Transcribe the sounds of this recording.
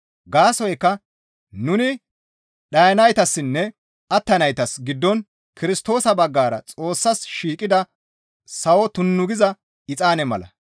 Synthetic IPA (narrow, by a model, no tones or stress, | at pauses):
ɡaːsɔjkːɐ | nʊnɪ | ɗɐjɐnɐjt̪ɐsːɪnːɛ | ɐt̪ːɐnɐjt̪ɐsɡɪd̪ːɔn | kɪɾɪst̪o̞ːsɐbɐɡːaːɾɐ̰t͡sʼo̞ːsːɐsʃiːkʼɪd̪ɐ | sɐwɔt̪ʊnːʊɡɪzɐ | ɪt͡sʼaːnɛmɐlɐ̰